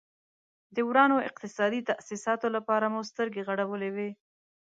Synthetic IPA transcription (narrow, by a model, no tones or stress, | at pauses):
d̪əwɾɑnoɪ̰q̚t̪ɪsɑd̪it̪aʔsisɑt̪olapɑɾamust̪əɾɡeɣaɽawəlewe